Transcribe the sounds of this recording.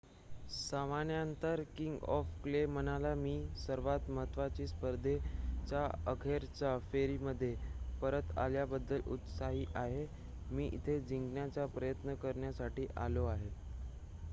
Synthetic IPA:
samanjəənt̪əɾkiŋɡɔfklem̤ənalamiːsəɾʋat̪məɦət̪ʋat͡ɕiːspəɾd̪ʱet͡ɕaəkʰeɾt͡ɕafeɾiːməd̪ʱːjepəɾət̪a̰ljabəd̪ːəlṵt̪saɦiːʔaɦe | miːʔḭt̪ʰed͡ʑiŋɡɳjat͡ɕjapɾəjət̪nəkəɾɳjasaʈiːʔaloaɦe

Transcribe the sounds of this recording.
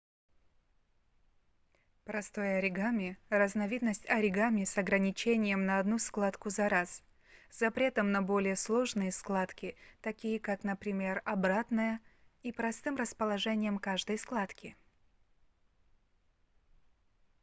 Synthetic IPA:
pɾɐst̪ojəɐɾʲɪɡamʲɪrəznɐvʲid̪nəsʲtʲɐɾʲɪɡamʲɪsɐɡɾənʲɪt͡ɕenʲɪjəmnɐɐd̪nusklˠat̪kʊzɐɾas | z̥ɐpɾʲe̞t̪əmnɐbo̞lʲɪjəslˠo̞ʐnɨjəsklˠat̪kʲɪt̪ɐkʲijəkaknəpɾʲɪmʲe̞rɐbɾat̪nəjəipɾɐst̪ɨmrəspəlˠɐʐɛnʲɪjəmkaʐd̪əjsklˠat̪kʲɪ

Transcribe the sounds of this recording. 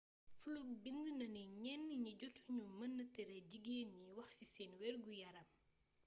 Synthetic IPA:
fuluk̚binɡənɐniɲɛnːiɲiɟɔtːuɲumɐnːətɛɾɛɟiɡeːɲiwɐxsisɛːnwɛrɡujɐɾɐm

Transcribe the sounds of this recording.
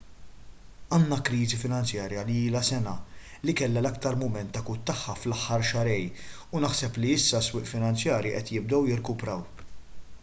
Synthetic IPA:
ɐːnːɐkɾiːzifɪnɐnt͡sjɐːɾjɐliiːlɐsɛnɐ | likɛlːɐlɐk̚t̪ɐɾmʊmɛnt̪ːɐkut̪ːɐħːɐflɐħːɐɾʃɐɾɛj | ʊnɐħsɛpliɪsːɐswɪːʔfɪnɐnt͡sjɐːɾjiʔɛt̪jɪb̚d̪ɛwjɪɾkʊpɾɐw

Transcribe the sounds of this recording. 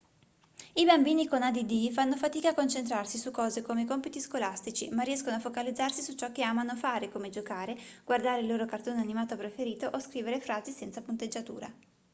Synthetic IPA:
ibambiːnikonad̪id̪ifanːofat̪iːkaːkːont͡ʃent̪ɾarsisukːɔːzekomekɔmpit̪iskolast̪it͡ʃimarːiɛskonoafokalid̪zːarsisut͡ʃɔkːeaːmanofaːɾekomed͡ʒokaːɾeɡ̥ward̪aːɾeilːoːɾokart̪oːnanimaːt̪opɾefeɾiːt̪oʔoskɾiːveɾefɾaːzisɛnsapunt̪ed͡ʒːat̪ṵːɾa̰

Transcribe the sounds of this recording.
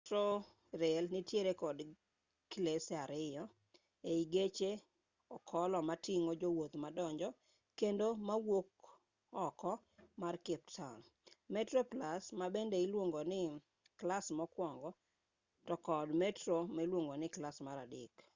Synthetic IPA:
tɾo | ɾelnɪtjeɾekɔd | kilesaɾɪjɔ | eiɡet͡ʃe | ɔkʰɔlɔmatiŋod͡ʒowot̪madɔɲd͡ʒɔ | kendomawok | ɔkɔmarkɪp̚tʰan | mɛtɾoplasmabendeilwoŋɡonɪ | klasmɔkwɔŋɡɔ | tɔkɔdmɛtɾomailwoŋɡonɪklasmaɾadɪk

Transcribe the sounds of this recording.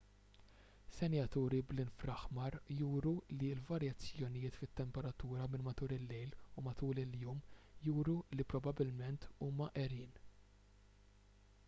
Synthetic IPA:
sɛnjɐt̪uːɾiblɪnfɾɐħmɐɾjuːɾuliɪlvɐɾjɐt͡sːjɔnɪjɪːt̪fɪt̪ːɛmpɛɾɐt̪uːɾɐmɪnmɐt̪uːɾɪlːɛjlumɐt̪uːlɪljuːmjuːɾulipɾɔbɐbɪlmɛnt̪ʰuːmɐʔɛɾiːn

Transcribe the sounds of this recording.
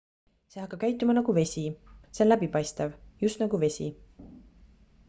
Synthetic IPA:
se̞hɑkːˑɑb̚kæjt̪ˑːumɑnɑɡ̥uve̞sʲiseonlæbipɑjst̪ɑvjust̪nɑɡuve̞sʲḭ

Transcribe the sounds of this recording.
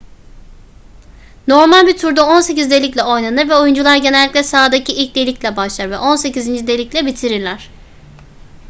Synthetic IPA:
no̞ɾmalʲbit̪ʰuɾd̪aonse̞cizd̪e̞lʲic̬ʲlʲɛo̞jnanɯɾvɛo̞jund͡ʒulˠaɾɟe̞nɛlʲːicʲlʲɛsaːd̪acʰiʔilʲc̚d̪e̞lʲicʲlʲɛbaʃlˠaɾvɛʔo̞nse̞cizind͡ʒid̪e̞lʲiclʲɛbit̪ʰiɾiɾlʲæɾ̝̥

